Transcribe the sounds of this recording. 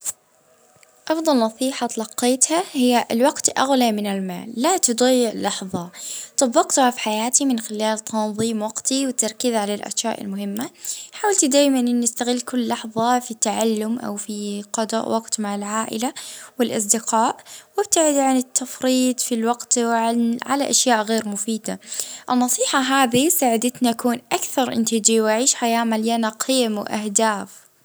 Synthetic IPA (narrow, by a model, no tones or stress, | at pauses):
ʔɑfd̪ˤɑlnɑsˤiːħat̪lɑqːeːt̪hahɪjːaʔlwɑɡt̪ʔa̰ɣlamɪnɪlma̰ːlːat̪ʊd̪ˤɑjːɪʕlɑħðˤɑt̪ˤɑbːɑqt̪ʊhafiħajaːt̪imɪnxɪlaːlt̪ʰɑnðˤiːmwɑɡt̪iwɪt̪ːɑɾˤkɪzʕalalʔa̰ʃjaːʔɪ̰lmʊhɪmːaħaːwalt̪d̪aːjmanʔɪnɪst̪aɣɪlːkʊlːɑħðˤɑfit̪ːaʕalːʊmʔa̰wfiqɑd̪ɑ̰ʔwʔɑqt̪maʕɪlʕaːʔɪ̰lawɪlʔɑ̰s̬ˤd̪ɪqɑːʔwɪb̚t̪aʕɪd̪ʕanɪt̪ːafɾiːd̪filwɑɡt̪ʕa̰la̰ʔaʃjaːʔɣeːɾmʊfiːd̪aʔɪnːɑsˤiːħɑɦaːðisaːʕɪd̪ɪt̪naʔakuːnʔakθɑɾˤʔɪ̰nt̪id͡ʒiwʔaʕiːʃħajaːmaljanaqʰɪːmwʔa̰hd̪aːf